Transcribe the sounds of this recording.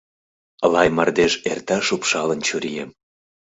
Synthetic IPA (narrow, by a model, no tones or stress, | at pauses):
əlɑjmɑrd̪eʃḛrt̪ɑʃupʃɑlənt͡ɕuɾijem